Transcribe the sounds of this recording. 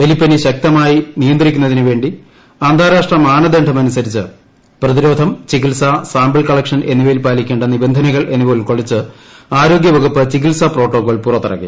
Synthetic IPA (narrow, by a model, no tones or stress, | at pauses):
elipːɐniɕɐk̚t̪ɐmaːjinijɐnd̪rikʲːunːɐðinɨʋe̞ːɳɖi | aːnd̪ʱaːɾaːʂʈrɐmaːnɐd̪eːɳɖʰʱɐmɐnusɐɾit͡ɕːɨ | prɐðiɾo̞ːd̪ʱɐmt͡ɕikilsɐsaːmbɐɭkɐɭɐkʂɐnenːubelpaːlikʲːeːɳɖɐnːibɐnd̪ʱɐnɐɣɐɭʔe̞nːupo̞ːlko̞ɭit͡ɕːɨ | aːɾo̞ːɡjɐʋɐɡupːɨt͡ɕikilsɐpro̞ːʈːoːkːoːɭpurɐt̪ːɐrɐ̰kːḭ